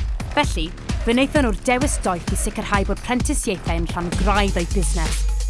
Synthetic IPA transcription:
vɛɬi | vənejθjɔnurdɛwɪsd̥ɔjθisɪkər̥hajboːd̥̚pʰr̥ɛntʰɪsjejθɛənɬanɡrajdəjbɪznɛs

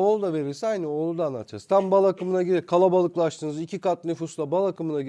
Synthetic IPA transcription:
oːlˠud̪ave̞ɾilʲsɛajnɯo̞lˠud̪anːa̰t̪ʰa̰st̪ʰambalˠakɯmɯnaɟiɾikʰalˠabalˠɯklˠaʃt̪ʰɯːnɯzicʰikat̪̚nyfuslˠabalˠakɯmɯnai

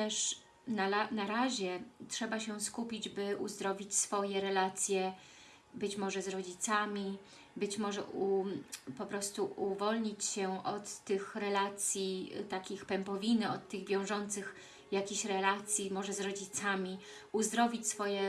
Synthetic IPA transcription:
t̪ɛʂ | naanaɾaʑɛtʂɛbaɕɛskupʲid͡ʑbɘʔuzd̪ɾɔvʲit͡ɕsfɔjɛɾɛlat̪sʲjɛ | bɘt͡ɕmɔʐɛzɾɔd͡ʑit̪samʲi | bɘt͡ɕmɔʐɛupɔpɾɔst̪uuvɔlɲit͡ɕɕɛɔt̪ːɘxɾɛlat̪sʲjit̪akʲixpɛmpɔvʲinɘɔt̪ːɘɣvʲjɔ̃w̃ʐɔnt̪sɘx | jakʲeɕɾɛlat̪sʲjimɔʐɛzɾɔd͡ʑit̪samʲi | uzd̪ɾɔvʲit͡ɕʲsfɔjɛ

